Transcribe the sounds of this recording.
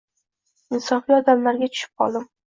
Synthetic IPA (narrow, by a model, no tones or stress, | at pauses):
ɪnsɒfiɒd̪amlaɾɡʲat͡ʃʰʊ̥ʃɪ̥p̚qʰɒ̰lˠd̪ɪm